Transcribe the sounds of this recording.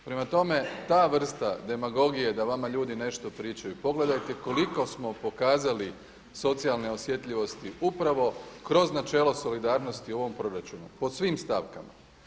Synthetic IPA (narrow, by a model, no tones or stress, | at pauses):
pɾe̞mat̪o̞me̞t̪aːʋr̩st̪ad̪e̞maɡo̞ɡije̞d̪aʋamaʎuːd̪ine̞ʃt̪o̞pɾiːt͡ʃajupo̞ɡle̞d̪ajt̪e̞ko̞liko̞smo̞po̞kaːzali | so̞t̪sialˠne̞o̞sje̞t̪ʎʲiʋo̞st̪iupɾaʋo̞kɾo̞znat͡ʃe̞ːlˠo̞so̞lid̪aːɾno̞st̪io̞ʋo̞mpɾo̞ɾat͡ʃunupo̞sʋiːmst̪aʋkama̰